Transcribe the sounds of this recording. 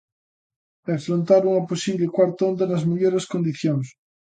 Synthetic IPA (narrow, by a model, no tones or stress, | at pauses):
efɾõnt̪aɾuŋaposiβlekwaɾt̪ond̪anɐzmeʎoɾeskond̪iθjoŋs